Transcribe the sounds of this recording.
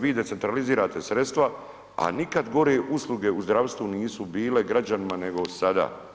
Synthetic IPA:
ʋiːd̪esent̪ɾaliziːɾaːt̪e̞sɾe̞t̪st̪ʋa | a̰nikad̪ɡo̞ɾeʔuslˠuɡe̞uzd̪ɾaʋst̪ʋuniːsubiːle̞ɡɾad͡ʑanimane̞ɡo̞sad̪a̰ː

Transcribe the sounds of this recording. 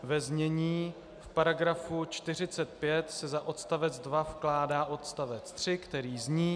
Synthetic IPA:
vɛzɲɛɲiː | fpaɾaɡɾafut͡ʃt̪ɪr̝ɪt͡sɛt̪̚pjɛt̪sɛzaʔo̞t̪st̪avɛd͡zdvafklaːdaːʔo̞t̪st̪avɛtt͡st̪r̥ɪkt̪ɛɾiːzɲiː

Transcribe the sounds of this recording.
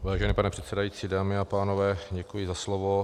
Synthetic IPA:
vaːʒɛnipanɛpr̥ɛt̪sɛdajit͡siːdaːmɪapaːnovɛːɟɛkujɪzaslovo

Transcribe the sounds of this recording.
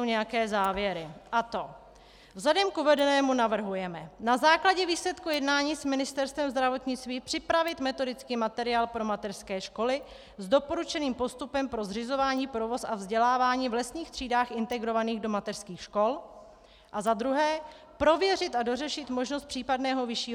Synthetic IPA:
owɲɛjakɛːzaːvjɛɾɪʔat̪o̞ | vzlɛdɛmkuvɛdɛnɛːmunavr̩ɦujɛmɛnazaːklaɟɛviːslɛt̪kujɛdnaːɲiːsmɪnɪst̪ɛɾst̪vɛmzd̪ɾavo̞t̪ɲɪt͡st̪viːpr̥ɪpɾavɪt̪mɛt̪o̞dɪt͡skiːmat̪ɛɾɪaːlpɾo̞mat̪ɛr̥skɛːʃko̞lɪ | zdo̞po̞ɾut͡ʃɛniːmpo̞st̪upɛmpɾo̞zrɪzo̞vaːɲiːpɾo̞vo̞sʔavzɟɛlaːvaːɲiːvlɛsɲiːxt̪r̥iːdaːxʔɪnt̪ɛɡɾo̞vaniːɣdo̞mat̪ɛr̥skiːxʃko̞l | ʔazad̪ɾuɦɛː | pɾo̞vjɛrɪt̪ado̞rɛʃɪt̪mo̞ʒnost̪pr̥iːpadnɛːɦo̞vɪʃiː

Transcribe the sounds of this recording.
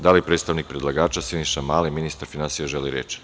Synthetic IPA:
d̪alipɾet̪st̪aʋnik̚pɾed̪lˠaɡaːt͡ʃasiniʃamaːleminist̪aɾfinansijaʒeliɾḛt͡ʃ

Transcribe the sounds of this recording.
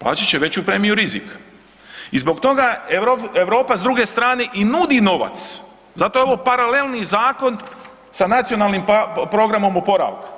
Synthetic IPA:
plˠa̰ːt͡ɕat͡ɕeʋe̞t͡ɕupɾe̞ːmijuɾizḭk | izbo̞kt̪o̞ɡaeoeʋɾo̞ːpazd̪ɾuɡe̞st̪ɾaːne̞ʔinud̪ino̞ʋa̰t̪s | zat̪ojeoʋo̞paɾalelˠnizaːko̞n | sanat̪sio̞nalnimppɾo̞ɡɾamo̞mopo̞ɾa̰ʋku̥

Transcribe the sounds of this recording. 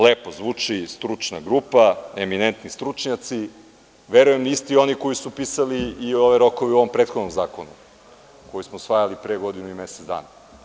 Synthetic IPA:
leːpozʋuːt͡ʂist̪ɾut͡ʂna̰ɡɾupaeminent̪nist̪ɾut͡ʃɲat̪si | ʋeɾujemnist̪io̞nikojisupisaliːo̞ʋeɾo̞koʋeuo̞ʋo̞mpɾet̪xo̞d̪nomzaːkonu | kojismosfajalipɾeɡo̞d̪inuimeset̪zd̪a̰ːna

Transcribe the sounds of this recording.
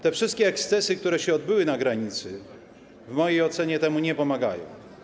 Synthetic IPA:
t̪ɛfʂɘst̪̚kʲɛːkst̪sɛsɘk̚t̪uɾɛɕɛɔd̪̚bɘwɘnaɡɾaɲit̪sɘ | vmɔjejɔt̪sɛɲɛt̪ɛmuɲɛpɔmaɡa̰jɔ̰̃w̃

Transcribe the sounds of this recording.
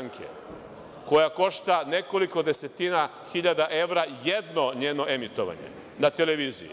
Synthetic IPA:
ŋkʰḛ | ko̞jako̞ʃt̪ane̞ko̞liko̞d̪e̞se̞t̪ina | xiʎad̪aʔe̞ʋɾajed̪no̞ɲe̞ːno̞ʔemit̪o̞̰ʋa̰ɲḛ | nat̪ele̞ʋiːzḭjḭ

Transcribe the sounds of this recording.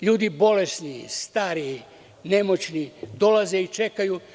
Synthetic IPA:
ʎuːd̪ibo̞le̞snist̪aːɾii | ne̞mot͡ɕnid̪o̞lazeit͡ʃe̞kaju

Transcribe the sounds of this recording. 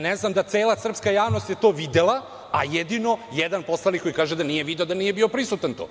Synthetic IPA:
neznamd̪at̪seːlˠasr̩pskajaːʋnost̪jet̪o̞ːʋid̪elˠa | ajed̪ino̞jed̪anpo̞slˠalniko̞jkaːʒed̪anijeʋid̪eod̪anijebio̞pɾisut̪ant̪o̰ː

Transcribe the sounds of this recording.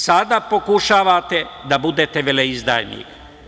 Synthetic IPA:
sad̪apo̞kuʃaːʋat̪e̞d̪abud̪et̪eʋeleizd̪a̰jnḭk

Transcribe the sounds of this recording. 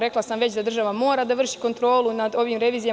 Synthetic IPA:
ɾe̞klˠasamʋe̞t͡ɕd̪ad̪rʒaʋamo̞ːɾad̪aʋr̩ʃi̥ko̞nt̪ɾo̞ːlˠunad̪o̞ʋimɾe̞ʋiːzija

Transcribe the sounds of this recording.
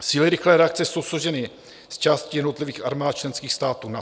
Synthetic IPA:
siːlɪɾɪxlɛːɾɛakt͡sɛso̞wsloʒɛnɪ | st͡ʃaːscɪjɛdno̞t̪lɪviːxa̰ɾmaːt̪̚t͡ʃlɛnskiːxst̪aːt̪uːna

